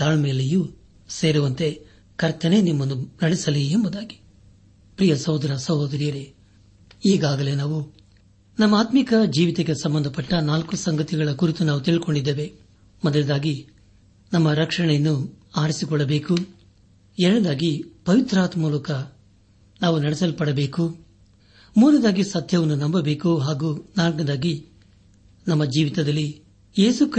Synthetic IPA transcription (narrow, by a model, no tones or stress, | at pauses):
t̪aːɭme̞ːleju | se̞ːɾuʋɐnt̪e̞ | kɐɾt̪ɐne̞nimːɐnːunɐɽisɐliembud̪aːɡi̥ | pɾijɐsɐɦud̪ɐɾɐsɐɦoːd̪ɐɾijɐɾe̞ | iːɡaːɡɐlenaːʋu | nɐmːɐaːt̪mikɐd͡ʒiːʋit̪eɡe̞sɐmbɐnd̪ʱɐpɐʈːɐnaːlkusɐŋɡɐt̪iɡɐɭɐkuɾit̪unaːʋut̪iɭiko̞ɳɖid̪ːeːʋe̞ | mɔd̪ɐlɐd̪aːɡi | nɐmːɐɾɐkʂɐɳɛjɐnːuaːɾisikɔɭːɐbe̞ːku | ɛɾɐɽɐd̪aːɡipɐʋit̪ɾaːt̪muːlɐkɐ | naːʋunɐɽɛsɐlpɐɽɐbeːku | muːnɐd̪aːɡisɐd̪ʱjɐʋɐnːunɐmbɐbe̞ːkuɦaːɡuːnaːlkɐd̪aːɡi | nɐmːɐd͡ʒiːʋit̪ɐd̪ɐlːi | jeːsuk